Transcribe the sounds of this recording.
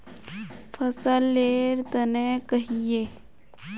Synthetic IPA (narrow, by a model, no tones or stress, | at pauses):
pʰɐsəlːeːɾt̪ənekɐɦijeː